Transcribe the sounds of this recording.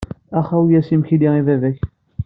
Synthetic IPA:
æχæwjæsimçiliʁivævæç

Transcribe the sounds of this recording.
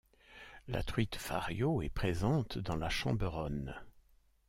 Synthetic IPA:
la̰t̪χɥit̪fa̰ʁjoɛpχezɑ̃t̪d̪ɑ̃laʃɑ̰̃bʁɔn

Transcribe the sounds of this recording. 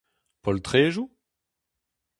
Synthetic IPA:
pɔlt̪χeːʒu

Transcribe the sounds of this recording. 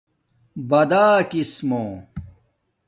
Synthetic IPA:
bɐd̪aːkismõː

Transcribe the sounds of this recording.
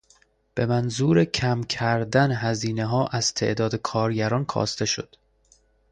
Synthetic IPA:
b̥e̞mænzuːɾecʰæmcʰæɾd̪ænɦæziːneɦɒːʔæz̥t̪ʰe̞̰ʔd̪ɒːd̪e̞kʰɒːɾɟæɾɒːnkʰɒ̰ːst̪e̞ʃo̞̰d̪̥

